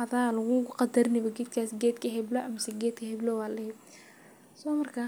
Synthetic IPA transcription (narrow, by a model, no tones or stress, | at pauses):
ɐðaːlɐɣuɣʊqɑd̪ɐɾɪnɪβɔɡɛd̪kʰaːsɡɛːd̪kʰɐɦɛblɔʔɐmɐsɛɡɛːd̪kʰɐhɛblɔwaːlɛ | sɔmɐrkʰa